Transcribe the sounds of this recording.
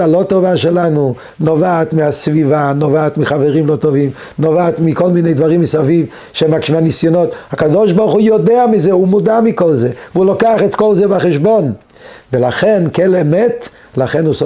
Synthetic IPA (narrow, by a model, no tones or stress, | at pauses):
alo̞t̪ovaʃelanu | novaːt̪mihasvivanovaːt̪miχaveʁimlot̪ovim | novaːt̪miko̞lminejd̪vaʁimːisaviv | ʃemakʃmanisjonot̪hakadoʃbaʁχujod̪eamizeumud̪amikolzeveulokaaχetkolzebaχeʃbo̞n | velaχenkelemet̪ | laχenus